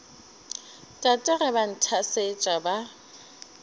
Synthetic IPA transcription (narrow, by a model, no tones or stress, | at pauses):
tʼatʼɛrɛban̩tʰaset͡ʃʼaba